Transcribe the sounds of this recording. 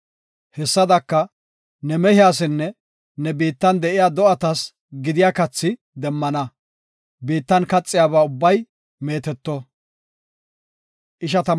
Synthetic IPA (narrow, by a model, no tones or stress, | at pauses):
hɛsːɐd̪ɐkːɐ | nɛmɛhɪjaːs̬ɪnːɛ | nɛbiːt̪ːɐnd̪ɛʔɪjaːd̪ɔʔɐt̪ɐs | ɡɪd̪ɪjaːkɐt͡sːɪ | d̪ɛmːɐnɐ | biːt̪ːɐnkɐt͡sʼːɪjaːbaːʊbːɐj | me̞ːt̪ɛt̪ːɔ | ʔɪʃɐt̪ɐ